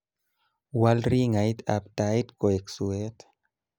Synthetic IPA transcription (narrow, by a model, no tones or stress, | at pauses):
walɾiŋajt̪a̰p̚t̪ait̪koeksuet̪